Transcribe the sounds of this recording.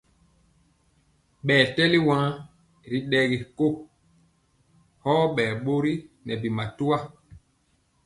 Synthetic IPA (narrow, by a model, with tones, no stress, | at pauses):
ɓɛː˨tɛ˦li˦wã˦ | ɾi˨˦ɗɛ˦ɡi˨ko˦˨ | hɔː˦ɓɛː˨ɓo˦ɾi˦nɛ˨bi˨ma˨tu˦wa˦